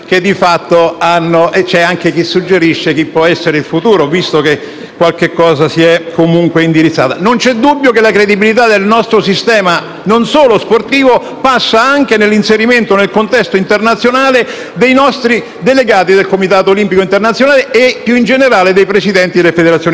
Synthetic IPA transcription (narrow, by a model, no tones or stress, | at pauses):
ked̪ːifat̪ːoanːoʔet͡ʃɛaŋkek̟isːud͡ʒːeɾiʃːek̟ipːwɔɛsːeɾeilfut̪uːɾovist̪oke | kːwalkekːɔːzasiɛkʰːomuŋkweind̪iɾit̪sːa̰ːt̪anont͡ʃɛd̪ːubːjokelakɾed̪ibilit̪̬ad̪elnɔst̪ɾosist̪ɛːma | nonsoːlosport̪iːvo | pasːaaŋk̟enelːinseɾiment̪onelkont̪ɛst̪oint̪ernat̪sːjonaːle | d̪ejnɔst̪ɾi | d̪eleɡaːt̪id̪elkomit̪aːt̪oːlimpikoint̪ernat̪sːjonaːleepjuind͡ʒeneɾaːled̪ejpɾesid̪ɛnt̪id̪elefed̪eɾat̪sjoːn